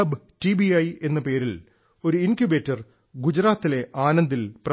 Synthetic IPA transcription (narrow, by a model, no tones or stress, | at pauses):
ɐbtibiɐje̞nːɐpe̞ːɾil | o̞ɾuinkjube̞ːtːɐr | ɡud͡ʑɾaːt̪ːile̞ʔaːnɐnd̪ilpr